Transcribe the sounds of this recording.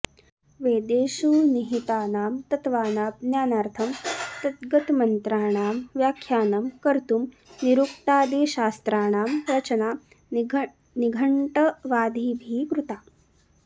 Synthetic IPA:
ʋeːd̪eːʃuːniɦit̪aːnaːmt̪ɐt̪ʋaːnaːpnjaːnaːɾt̪ʰɐmt̪ɐt̪ɡɐt̪mɐnt̪ɾaːɳ̃aːmʋjaːkʰːjaːnɐmkɐɾt̪um | niɾuk̚ʈ̪aːd̪eːʃaːst̪ɾaːɳaːmɾɐt͡ʃɐnaː | niɡʱɐɳʈɐʋaːd̪ʱiːbʱiːɡɾut̪aː

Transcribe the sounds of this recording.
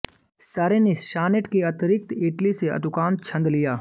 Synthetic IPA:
saːɾeneʃaːnɪʈkeɐt̪ɾɪk̚t̪ɪʈliseɐ̰d̪ʱʊkaːnt͡ʃʰɐ̃nd̪lijaː

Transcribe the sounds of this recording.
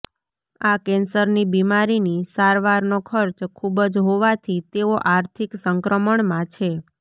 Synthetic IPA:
akɛnsəɾnibimaɾinisaɾʋaɾnokʰəɾt͡ʃkʰubəd͡ʒɦoʋat̪ʰit̪eoʔaɾt̪ʰiksəŋkɾəməɳmãt͡ʃʰe

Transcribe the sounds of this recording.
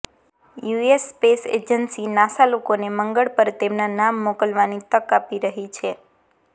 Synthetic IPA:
juesːpesḛd͡ʒənsinasalokoneməŋɡəɭpəɾt̪emnanamːokəlʋanit̪əkapiɾəɦit͡ʃʰe

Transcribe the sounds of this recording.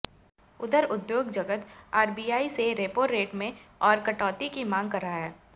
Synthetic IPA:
ʊd̪əɾʊd̪joːɡd͡ʒɐɡət̪aːɾbiːjaːiseɾeːpoːɾːeːʈmẽɔːɾkɐʈɔːt̪ikimãːŋɡ̚kɐɾaːɛː

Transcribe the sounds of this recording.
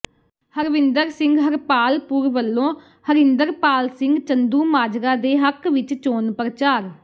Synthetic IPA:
həɾʋɪnd̪əɾsɪ̃ŋɡɦəɾpaːlpuːɾʋəlːõː | həɾɪ̃nd̪əɾpaːlsɪ̃ŋɡt͡ʃənd̪uːmaːd͡ʒɾaːd̪eːɦəkʋɪt͡ʃt͡ʃoːnpɾət͡ʃaːɾ

